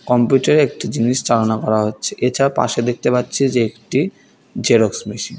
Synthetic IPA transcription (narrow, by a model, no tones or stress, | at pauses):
kɔmpjuʈaɾeek̚ʈid͡ʑiniʃt͡ɕalonakɔɾaɦotːɕʰeʔet͡ɕʰaɾapa̰ʃed̪ek̚t̪epatːɕʰed͡ʑeekʈi | d͡ʑeɾoksmiʃin